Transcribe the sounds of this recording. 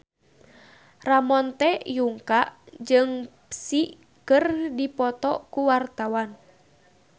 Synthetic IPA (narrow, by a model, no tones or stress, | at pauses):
ramɔnt̪ɛjuŋkaʔd͡ʒɨŋpsi | kɨrdipɔt̪ɔkuwart̪awan